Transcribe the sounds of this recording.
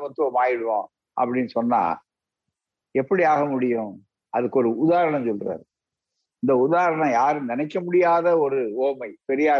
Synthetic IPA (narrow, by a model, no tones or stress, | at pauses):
mɐt̪ːɯoːmaːjɪɽɯʋã̰ː | ʔɐ̰pːɐɽɪnːɯsɔnːa̰ː | ɛpːɐɽiaːɣɐmʊɽɪjʊ̃ | ɐðɯkːɔɾɯʊðaːɾɐɳɐ̃msɔlra̰ːɾ | ɪnd̪ɐʊðaːɾɐɳɐ̃jaːɾɯnɪnɐɪkːɐmʊɽɪjaːðɐɔɾɯoːmɐɪpɛɾɪjaː